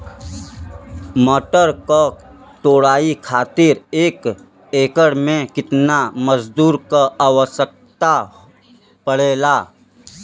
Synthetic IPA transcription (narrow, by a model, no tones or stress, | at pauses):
mɔːʈəɾka | ʈoːɽaːikʰaːt̪ɪɾeːk | eːkəɽmẽkɪt̪naməzd̪uːɾkaaːwəsək̚t̪a | pəɽeːlaː